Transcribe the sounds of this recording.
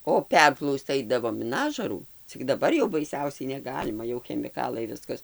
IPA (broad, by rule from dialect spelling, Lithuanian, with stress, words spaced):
oː ˈpʲɛrplˠɐʊst͡s ˈɐɪdɐʋoːm ɪn ˈɑːʒɐruː t͡sʲɪk dɐˈbɐr jɛʊ bɐɪˈsʲɛʊsʲɛɪ nʲɛˈɡɑːlʲɪmɐ jɛʊ xʲɛmʲɪˈkɑːlˠɐɪ ˈʋʲɪskɐs